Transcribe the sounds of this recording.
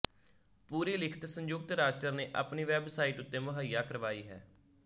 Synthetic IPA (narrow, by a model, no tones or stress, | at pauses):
puːɾiːlɪkʰə̥t̪səɲd͡ʒʊɡ̚t̪ɾaːsʈəɾneːʔa̰ːpniːʋɛːbsaːiʈʊt̪ːeːmʊɦəjːaːkəɾʋaːiːɦɛ̰ː